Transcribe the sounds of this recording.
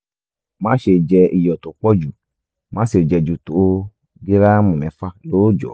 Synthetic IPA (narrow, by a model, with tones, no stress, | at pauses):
mã˦ʃe˨d͡ʒɛ˧i˨jɔ˨t̪o˨k͡pɔ˦d͡ʒu˨ | mã˨˦se˨d͡ʒɛ˨d͡ʒu˨t̪o˨˦ | ɡi˦ɾa˦mũ˨nɛ̃˨˦fa˦lo˦wo˦d͡ʒɔ̰˨